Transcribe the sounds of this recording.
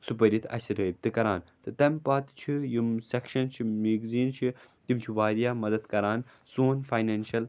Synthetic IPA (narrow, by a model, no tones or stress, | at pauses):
supɐɾit̪ʰɐ̰sɐɾɐb̚t̪ɨkɐɾaːnt̪ɨt̪ɐmpaːt̪t͡ʃʰijumsekʃɐnt͡ʃʰimiːɡziːnt͡ʃʰit̪imt͡ʃʰiʋaːɾjaːmɐd̪ɐd̪kɐɾaːn | soːnfaːjneːnʃɐl